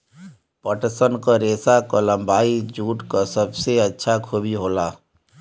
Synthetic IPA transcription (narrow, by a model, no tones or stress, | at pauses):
pəʈsənkaɾeːsakolə̃mbaːid͡ʒuːʈkasəbseətːʃʰakʰoːbiɦoːlaː